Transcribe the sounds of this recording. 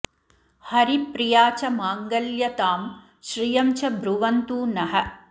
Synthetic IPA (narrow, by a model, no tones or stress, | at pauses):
hɐɾipɾijaːt͡ʃɐmaːŋɡɐljɐt̪aːm | ʃɾijɐmt͡ʃɐbʱɾuʋɐnt̪uːnɐɦɐ